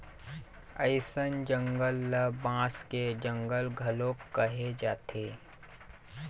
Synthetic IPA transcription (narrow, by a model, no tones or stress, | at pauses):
əɪsənd͡ʒə̃ŋɡəlːəbãːsked͡ʒə̃ŋɡəlɡʱɐlõkːəɦed͡ʒaːt̪ʰeː